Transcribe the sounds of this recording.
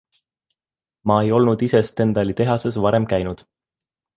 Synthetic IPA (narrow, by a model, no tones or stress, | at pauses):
mɑe̞jo̞lnud̪ise̞st̪e̞nd̪ɑlʲit̪e̞ɦɑse̞s̬vɑɾe̞mkæjnud̪̥